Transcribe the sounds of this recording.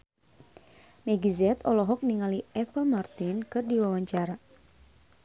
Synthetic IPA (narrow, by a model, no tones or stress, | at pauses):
mɛɡizɛt̪ɔlɔɦɔk̚niŋaliɛpəlmart̪inkɨrdiwawaɲt͡ʃaɾa